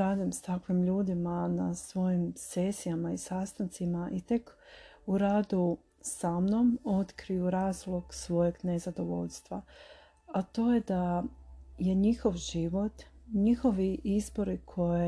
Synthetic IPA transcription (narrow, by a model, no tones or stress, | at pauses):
ɾaːd̪imst̪akʋimʎuːd̪imanasʋo̞jimsesijamaisaːst̪ant̪simaʔit̪e̞k | uɾaːd̪u | samno̞mo̞t̪kɾijuɾaːzlˠo̞ɡ̥sʋo̞je̞ɡnezad̪o̞ʋo̞̰ʎst̪ʋa | at̪o̞ːje̞d̪a | je̞ɲixo̞ʋʒiʋo̞t̪ɲixo̞ʋiʔizbo̞ɾikʰo̞je